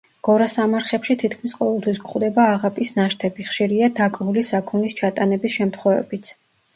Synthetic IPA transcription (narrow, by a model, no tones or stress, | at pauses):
ɡ̥ɔɾasamaɾχɛpʃit̪ʰit̪ʰkʰmisqʼɔvɛlˠt̪ʰwis̬kχwd̪ɛbaːʁapʼisnaʃt̪ʰɛbiχʃiɾiad̪akʼvulisakʰɔnist͡ʃʰat̪ʼanɛbisʃɛmt̪ʰχwɔvɛ̰bit̪sʰ